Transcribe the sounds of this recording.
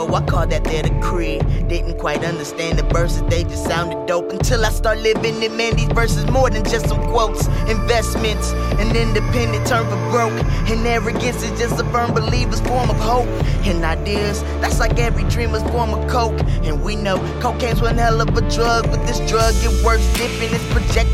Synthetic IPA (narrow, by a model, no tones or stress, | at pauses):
owʌkʰɔðɨt̪̚ðəɾɨkʰɹ̥id̥ɪdⁿn̩kʰw̥aɪɾʌ̃ndə˞stæ̃nðɨbɜ˞sɨzðeɪd͡ʒʌstsãʊ̃ndɨddoʊpn̩tʰɪlˠaɪstɑɹt̚ˡlɪvɪ̃ŋɨ̃mɛ̃nðizvɜ˞sɨzmɔɹðɨ̃nd͡ʒʌstsʌ̃mkʰw̥oʊtsɨ̃ɱvɛsmɨ̃nts | ɨ̃nɪ̃ndɨpʰɛ̃ndɨ̃ntʰɜ̃˞mzʌvɡɹoʊkɨ̃nɛvɹɨɡɛ̃nsɨz̥d͡ʒʌstəfɜ̃˞mbəlivɨz̥fɔɹmʌv̥hoʊp̚ɨ̃naɪdɪ | z̥ | ðætslaɪkɛvɹidɹĩmɨz̥fɔɹmʌv̥kʰoʊkɨ̃nwinoʊkʰoʊkæ̃ɪ̃nzwɨ̃nhɛlˠʌpɨdɹʌɡ̚wɨðɪsdɹʌɡɨ̃wɜ˞sdɪpɨ̃nɨspʰɹ̥ɨd͡ʒɛk̚